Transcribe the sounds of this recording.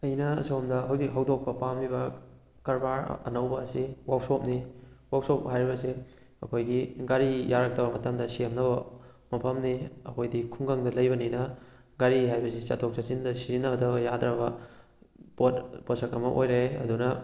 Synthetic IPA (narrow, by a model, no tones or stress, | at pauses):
ɐjnɐɐ̰sowmdɐɦɐwzik̚ɦɐwdok̚pɐpamlibɐ | kɐɾbaɾ̰ɐ̰nɐwbɐːsiwawsop̚niwawsop̚ɦajɾibɐse | ɐkʰojɡiɡaɾijaɾak̚tɐbɐmɐtɐmdɐsijɐmnɐbɐ | mɐpʰɐmniɐkʰojdikʰuŋɡaŋdɐlɐjbɐninɐ | ɡaɾiɦajbɐsit͡ʃa̰tʰok̚sat͡ʃindɐsizinːɐbɐdɐbɐjadɾɐbɐ | pot̚posɐkɐmɐʔo̰jɾeɐ̰dunɐ